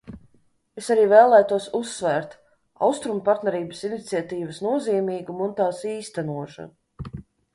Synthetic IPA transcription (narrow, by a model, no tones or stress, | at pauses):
esaɾiːvɛːlˠæːjt̪uɔsusːvæːɾt̪ | a̰wst̪ɾumpaɾt̪nɛɾiːbəsinit̪siat̪iːvəsnuɔziːmiːɡumunt̪aːsiːst̪ænuɔʃa̰nu